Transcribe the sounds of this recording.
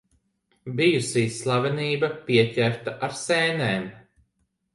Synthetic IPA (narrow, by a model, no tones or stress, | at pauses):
bijusiːsːlˠavɛniːbɐpiɛcʲæɾt̪aʔaɾsɛːnɛːm